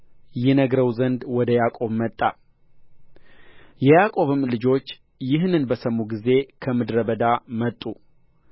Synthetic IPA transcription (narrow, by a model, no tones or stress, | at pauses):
jɛnəɡɾəwzənd̪wɔd̪əjakʼo̞βmət̪ʼːa̰ | jɛjakʼo̞βɨmːlɨd͡ʒo̞t͡ʃː | jɪɦnɨnbəsəmːuɡize̞kʰəmɨd̪ɾəβəd̪amət̪ʼːu